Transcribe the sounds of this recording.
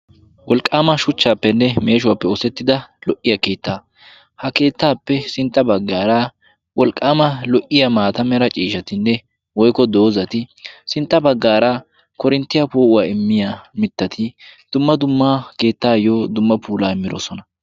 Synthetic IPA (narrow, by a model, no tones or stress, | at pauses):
wɔlkʼːaːmɐʃʊt͡ʃːaːpːɛnːɛme̞ːʃ̬ʊwaːpːɛɔsɛt̪ːɪd̪ɐlɔʔːɪjɐke̞ːt̪ːaː | hɐke̞ːt̪ːaːpːɛsɪnt̪ʼːɐbɐɡːaːɾɐ | wɔlkʼːaːmɐlɔʔɪjamaːt̪ɐmɛɾɐt͡ʃʼiːʃɐt̪ɪnːɛ | wɔjkɔd̪o̞ːzɐt̪ɪsɪnt̪ʼːɐbɐɡːaːɾɐ | kɔɾɪnt̪ːɪjapoːʔʊwaːɪmːɪjamɪt̪ːɐt̪ʰɪd̪̥ʊmːɐd̪ʊmːɐke̞ːt̪ːaːjoːd̪ʊmːɐpʰuːlaːɪmːɪɾo̰ːsɔnɐ